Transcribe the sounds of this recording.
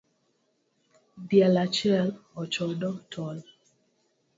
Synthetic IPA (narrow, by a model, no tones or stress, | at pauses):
djɛlat͡ʃɪɛlɔt͡ʃɔdɔtʰɔl